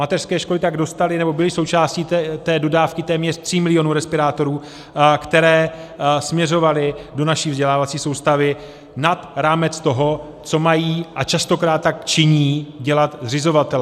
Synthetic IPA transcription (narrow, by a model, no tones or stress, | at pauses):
mat̪ɛr̥skɛːʃko̞lɪt̪aɡdo̞st̪alɪnɛbo̞bɪlɪso̞wt͡ʃaːsciːt̪ɛːdo̞daːfkɪt̪ɛːmɲɛr̥t̪r̝̥ɪmɪlɪo̞nuːɾɛspɪɾaːt̪o̞ɾuː | kt̪ɛɾɛːsmɲɛro̞valɪdo̞naʃiːvzɟɛlaːvat͡siːso̞wst̪avɪ | nat̪ɾaːmɛt͡st̪o̞ɦo̞ | t͡so̞majiːʔat͡ʃast̪o̞kɾaːt̪̚tːak̚t͡ʃɪɲiːɟɛlat̪zrɪzo̞vat̪ɛl